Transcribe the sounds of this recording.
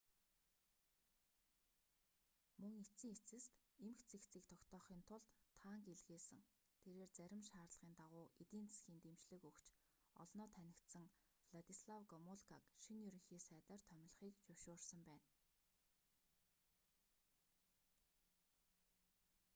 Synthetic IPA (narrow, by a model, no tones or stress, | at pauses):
mɵŋet͡siːŋet͡sɘ̆st̪ | emxt͡sʰext͡siːkt̪ʰɔkt̪ʰɔːχiːnt̪ʰʊɮt̪ʰːaːŋkeɮɣeːsɘ̆ŋ | t̪ʰeɾeːrt͡sæɾʲɪ̆mʃaːrɮə̆ʁiːnt̪aʁʊːʔet̪iːnt͡sʰḁsxʲiːnt̪emt͡ɕɮɘ̆kɵkt͡ɕ | ɔ̰ɮnɔːt̪ʰænʲɪ̆kt̪sə̆ŋ | vɮat̪isɮawɡɔmʊɮkʰakʃinjɵɾɵ̆ŋxiːsæːt̪aːrt̪ʰœm̆ʲɮχiːkt͡ɕʊwʃʊːrsə̆mpæːn